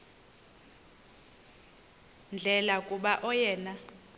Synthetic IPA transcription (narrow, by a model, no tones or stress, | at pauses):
nd͡ɮʱɛlakʼuɓaʔɔjɛːna